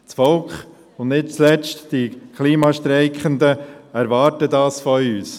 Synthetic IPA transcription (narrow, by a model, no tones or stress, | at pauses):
t͡sfɔlkχ | ʊndnɪt̚t͡slɛt͡ʃtd̥ikʰliːmɑʃtɾɛɪkχəndəæɾʋɑːɾtədɑːsfɔyːs